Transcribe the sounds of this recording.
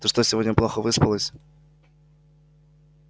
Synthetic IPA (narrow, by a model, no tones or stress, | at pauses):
t̪əʂt̪osʲɪvodʲnʲəplˠoxəvɨspəlˠəsʲ